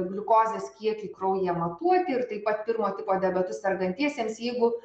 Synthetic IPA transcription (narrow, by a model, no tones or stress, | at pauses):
ɡlʲʊkoːzʲeːskʲiɛkʲɪkɾɐʊjɛmɐt̪uɔt̪ʲɪɪɾt̪ɐɪpɐt̪̚pʲɪɾmoːt̪ʲɪpoːd̪ʲɛbʲɛt̪ʊssʲɐɾɡɐnʲt̪ʲiɛsʲeːmsjɛɪɡʊ